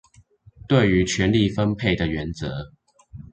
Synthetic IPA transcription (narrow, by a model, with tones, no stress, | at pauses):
t̪we˥˨ɪy˨˦t͡ɕʰɥɛ˨˦nli˥˨fə˦npʰe˥˩ɪd̪ə˨ɥɛ˨˧˦nt͡sɤ˧˦